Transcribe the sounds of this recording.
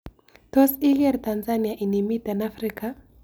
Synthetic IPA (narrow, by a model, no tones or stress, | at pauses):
tɔsiɣɛɾt̪anzaniaʔinimitanafɾika